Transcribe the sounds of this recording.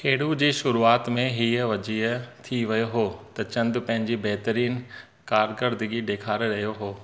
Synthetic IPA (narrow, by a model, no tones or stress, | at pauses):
keːɽud͡ʑiːʃʊɾuaːt̪mẽɦiːəʋɐd͡ʑiət̪ʰiʋɐjoɦoːt̪ɐt͡ɕɐ̃nd̪̆pɐ̃ɦɪ̃ɲd͡ʑibɐɦt̪əɾiːn | kaːɾkəɾd̪əɡiɖeːkʰaːɾɾɐɦijoɦoː